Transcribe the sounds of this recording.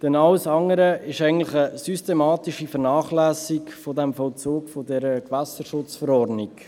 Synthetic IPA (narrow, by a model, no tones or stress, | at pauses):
d̥ɛnɑlsɑŋəɾəɪʃæɪɡn̩tlɪχəsystemɑːtiʃifəɾnɑːχlæːsɪkfodɛmfɔlt͡soːkfodɛɾəkvæsəʃʊt͡sfəɾɔɾdnɪk